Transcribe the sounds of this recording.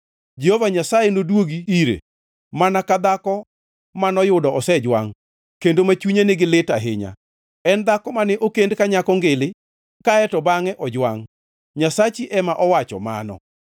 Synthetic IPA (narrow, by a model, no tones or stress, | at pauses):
d͡ʒehovaɲasajenodwoɡiiɾḛ | manakad̪akɔ | manɔjʊdɔʔɔsɛd͡ʒwa̰ŋ | kendomat͡ʃuɲenɪɡɪlɪtaɦɪ̰ɲa̰ | ɛnd̪akɔmanɛʔokendkaɲakɔŋɡɪlɪ | kaɛtɔbaŋɛʔɔd͡ʒwaŋ | ɲasat͡ʃiʔɛmaʔɔwat͡ʃɔ̰ma̰nɔ̰